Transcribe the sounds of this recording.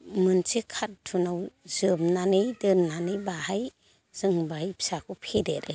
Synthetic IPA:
mɯnsekʰat̚tʰunawzɯmnanɯjdɯnnanɯjbahaj | z̥ɯŋbajipsakʰupʰedeɾe

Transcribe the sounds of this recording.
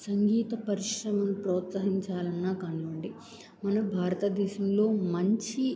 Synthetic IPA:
sɐŋɡiːt̪ɐpɐɾiʃɾɐmɐnupɾɔːt̪sɐɦiɲt͡ʃaːlɐnːaːkaːniʋɐɳɖi | mɐnɐbʱaːɾɐt̪ɐd̪ɛːʃɐmlo̞ːmɐɲt͡ʃi

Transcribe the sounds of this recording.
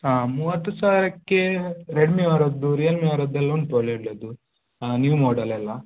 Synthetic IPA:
aːmuːʋɐt̪ːusaːʋiɾɐkːeɾeɖmiʋɐɾɐd̪ːuɾijɐlmiʋɐɾɐd̪ːɐlːonʈoɭeɽled̪u | njːʋumoːɖɐlɐlːɐ

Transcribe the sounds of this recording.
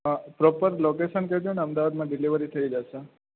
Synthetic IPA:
pɾopəɾlokeʃənked͡ʒ̪eneəmd̪aʋad̪mãɖɪliʋəɾit̪ʰəid͡ʒaʃe

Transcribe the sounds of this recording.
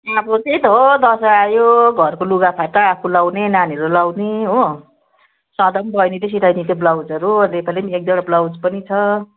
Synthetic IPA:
abʌt͡sijt̪ɦod̪ʌsʌajoɡʱʌrkoluɡapʰaʈaːpʰulawnenaniɾulawneɦo | sʌ̃d̪ʌmbʌjnit̪es̬iʈʰajnit̪eblawd͡zʌɾud̪epalemek̚d̪ʌɽ̃blawd͡zpʌnit͡sʰʌ

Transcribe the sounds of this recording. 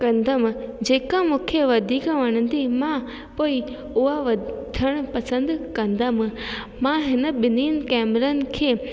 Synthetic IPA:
kɐ̃nd̪əmd͡ʑeːkãmũːkʰeʋɐd̪ʱiːkʋɐɽ̃ə̃nd̪imã | poːi | ʊɦaʋɐd̪ʱəɽ̃pɐsə̃nd̪kɐ̃nd̪əm̆ | mãɦɪnə̆ɓɪniːn̆kɛːmɾənɪ̆kʰeː

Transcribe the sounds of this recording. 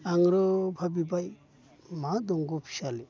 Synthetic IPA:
aŋɾɔbʱabibaj | mad̪ɔŋɡopʰi̥ʃali

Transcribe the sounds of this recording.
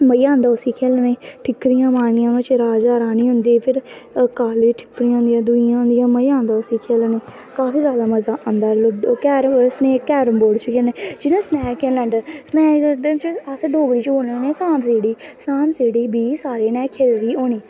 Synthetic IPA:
məiːãːnd̪aːʊsiːkʰeːlːnẽːʈʰɪkd̪ɪjãːmaːnɪjãːnõːt͡ʃɾaːd͡ʒaːɾaːniːɦʊnd̪iːpʰɪɾ | kaːleʈʰɪ̥kɽiːãːʊnd̪ijãːd̪ʊɪãːɦʊnd̪ɪjãːməiːãːnd̪aːʊsiːkʰeːlneː | kaːfiːzjaːd̪aːməzaːãːnd̪aːlkɛːɾsneːkɛːɾəmboːɖt͡ʃkʰeːleːd͡ʒɪnẽːsnɛːkeləɳɖsnɛːt͡ʃəsɖoːɡɾiːt͡ʃoːnenẽːsãːmseːɽiːsaːmseːɽiːbiːsaːɾeːnɛːkʰelɾiːoːniː

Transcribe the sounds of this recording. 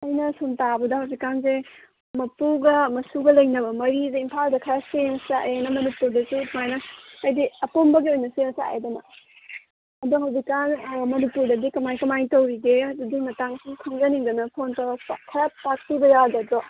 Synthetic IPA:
ɐjnɐsuntabɐdɐhawzikːanze | mɐpuɡɐmɐsuɡɐlɐjnɐbɐmɐɾizeimpʰaldɐkʰɐɾaseŋsaenɐmɐnipuɾdɐsumajnɐɐjdiɐpombɐɡiojnɐseŋsaa̰edɐnɐ̰ | duɦɐwzikːanmɐnipuɾdɐdikɐmajkɐmajtɐwɾiɡeɐdudimɐtaŋsikʰɐŋzɐniŋdɐnɐpʰontɐɾɐkʰɐɾɐpak̚tibɐjadɐdɾɔ

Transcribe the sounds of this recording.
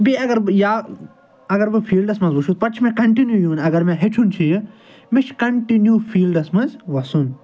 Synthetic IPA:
biɐɡɐɾbɨjaː | ɐɡɐɾbɨfʰiːlɖɐsmɐnzʲbuʃʰut̪̚pɐʈt͡ʃʰimẽkɐɳʈinjujuːnɐɡɐɾmẽɦeʈʰunt͡ʃʰijɨ | mit͡ʃʰkɐɳʈinjufʰiːlɖɐsmɐzʋɐsun

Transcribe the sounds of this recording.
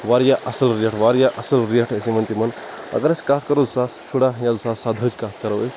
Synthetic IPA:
ʋaːɾjaʔɐsɐlɾijeʈʰʋaɾjaʔɐsɐlɾijeʈʰesimɐnt̪imɐn | ɐ̰ɡɐnɐskat̪kɐɾozsasʃʰuɽajazsasad̪ʱəd͡ʒkat̪ʰkɐɾɐesʲ

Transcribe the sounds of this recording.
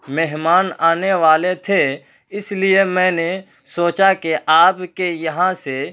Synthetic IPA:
meɦmaːnaːneʋaːlet̪ʰe | ɪsliemɛ̃ːne | soːt͡ʃakeʔaːpkejɐɦãse

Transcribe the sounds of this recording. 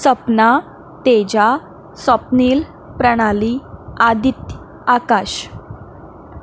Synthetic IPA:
səpna | t̪ed͡ʑa | səpniːl | pɾəɽ̃aliad̪it̪j | akaɕ

